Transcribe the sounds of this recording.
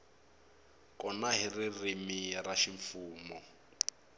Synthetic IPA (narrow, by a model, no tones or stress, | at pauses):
kʼɔnaɦiririmiraʃiɱfuːmɔ